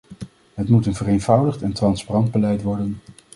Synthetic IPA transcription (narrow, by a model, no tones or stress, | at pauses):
ɦətmutənvərejnvʌwdəχtɛntrɑnsparɑnd̚bəlɛjtʋɔɹdən